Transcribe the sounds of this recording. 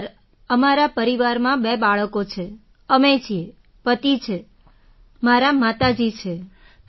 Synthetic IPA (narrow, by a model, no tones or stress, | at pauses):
ɾ | əmaɾapəɾiʋaɾmãbebaɭəkot͡ʃʰe | əmed͡ʒie | pət̪it͡ʃʰe | maɾamat̪ad͡ʒit͡ʃʰe